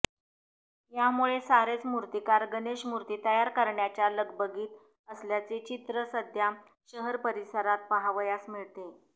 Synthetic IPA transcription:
jamuɭesaɾet͡smuɾt̪ikaɾɡəneɕmuɾt̪iːt̪əjaɾkəɾɳjat͡ɕjaləɡbəɡiːt̪ | əsljat͡set͡ɕit̪ɾəsəd̪ʱja | ɕəɦəɾpəɾisəɾat̪̚pəɦaʋəjasmiɭt̪e

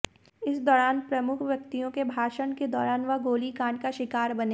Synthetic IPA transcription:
ɪsd̪ɔːɾaːnpɾɐmʊkʰʋjɐk̚t̪ijõkebʱaːʃəɳked̪ɔːɾaːnʋɐɡoːlikãːɳɖkaʃɪkaːɾbɐneː

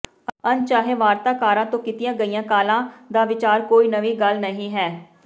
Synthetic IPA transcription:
ənt͡ʃaːɦeːʋaːɾt̪aːkaːɾãːt̪õːkit̪ɪjãːɡəiːjãːkaːlãːd̪aːʋɪt͡ʃaːɾkoːiːnəʋiːɡəlnəɦĩːɦɛː

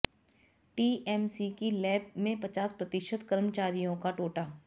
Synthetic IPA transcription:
ʈiːʔɛmsikilɛːb̚mẽpɐt͡ʃaːspɾɐt̪ɪʃət̪kəɾmət͡ʃaːɾijõkaʈoːʈaː

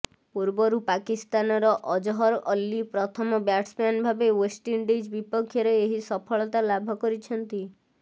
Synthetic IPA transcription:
puɾbɔɾupakist̪anɔɾɔʔɔd͡ʒɔɦɔɾʔɔlːipɾɔt̪ʰɔmɔbjaʈspanbʱabewesʈinɖed͡ʒbipɔkʰːjɔɾeeɦisɔpʰɔɭɔt̪alabʱɔkɔɾit͡ʃʰɔnt̪i

